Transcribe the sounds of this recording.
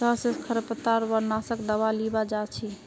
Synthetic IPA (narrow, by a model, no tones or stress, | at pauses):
təɦsẽkʰəɾəpət̪aɾʋəɾnasəkd̪əwalibad͡ʒat͡ʃʰi